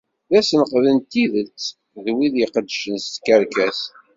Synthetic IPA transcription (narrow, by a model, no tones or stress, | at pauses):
ðæsnqðənt̪ːiðəlt͡sː | ðwiðjəqəd̪ːʃənst̪kəɾkæs